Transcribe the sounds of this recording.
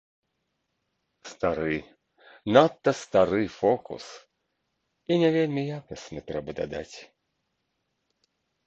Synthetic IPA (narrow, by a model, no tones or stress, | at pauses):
st̪aɾɨj | nat̪ːɐst̪aɾɨfɔkṵs | inʲɛvʲelʲmʲijakɐsʲnɨt̪ɾɛbɐd̪a̰d̪a̰t͡sʲ